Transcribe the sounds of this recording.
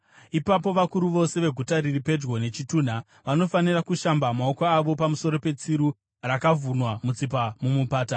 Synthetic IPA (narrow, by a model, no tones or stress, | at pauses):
ipapo̞ʋakuɾuʋo̞se̞ʋe̞ɡʱutaɾiripe̞d͡ʒɡo̞ne̞t͡ʃituːn̤a | ʋano̞fanirakuʃambamaokaːʋo̞pamuso̞ɾo̞pe̞t͡siɾu | rakavunwamut͡sip̬amumupaːta